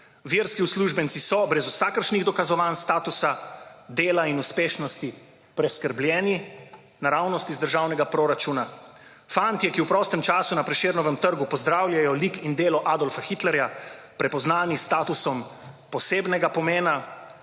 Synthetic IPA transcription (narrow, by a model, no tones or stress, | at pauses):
ʋiɾskiusluʒbənsisɔbɾɛzusakəɾʃniɣd̪ɔkazɔʋaːnst̪aːt̪usad̪eːlainuspeːʃnɔst̪i | pɾɛskəɾblʲjɛːni | naɾawnɔst̪izd̪əɾʒawnɛɡapɾɔɾat͡ʃuna | fant̪jɛkiwpɾɔːst̪ɛmt͡ʃaːsunapɾɛʃeːɾnɔʋɛmt̪əɾɡupɔzd̪ɾaːwljʲajɔlikind̪eːlɔʔaːd̪ɔlfaxit̪lɛɾja | pɾɛpɔznaːnist̪aːt̪usɔmpɔseːbnɛɡapɔmeːna